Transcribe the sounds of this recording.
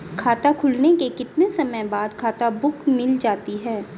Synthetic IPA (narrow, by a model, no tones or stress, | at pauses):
kʰaːt̪akʰʊlnekekɪt̪nesɐməjbaːd̪kʰaːt̪abʊkmɪld͡ʒaːt̪iɦɛː